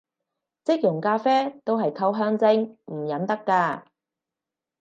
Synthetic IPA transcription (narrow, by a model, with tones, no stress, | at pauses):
t͡sɪ˥k̚jʊ˨˩ŋkaː˧fɛː˥t̪o˥wɦɐ˨jkʰɐ˧wɦœː˧ŋt͡sɪ˧ŋm̩˨˩jɐ˨˥nt̪ɐ˥kːaː˧